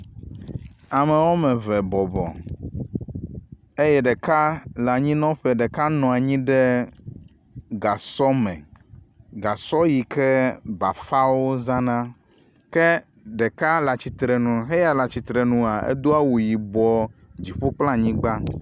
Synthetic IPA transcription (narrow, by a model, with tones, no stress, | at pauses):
a˨mẽ˨wɔ˦mɛ˨vɛ˨bɔ˨bɔ̰˨ | e˦jɛ˦ɖɛ˨ka˦la˨ɲĩ˦nɔ̃˦ɸe˨ɖe˨ka˦nɔ̃˨a˨ɲĩ˦ɖɛ˦ | ɡa˨sɔ˦mɛ̰̃˨ | ɡa˨sɔ˦ji˨ke˦ba˨fa˦wo˦zã˦nã˦ | ke˦ | ɖe˨ka˦la˨t͡ɕi˨t̪ɾɛ˨nũ˨ɦe˦ja˨la˨t͡ɕi˨t̪ɾe˨nũ˨a˨ḛ˦d̪o˦a˦wu˨ji˨bɔ˨d͡ʑi˨ɸo˦k͡plã˦ɲĩ˦ɡ͡ba˦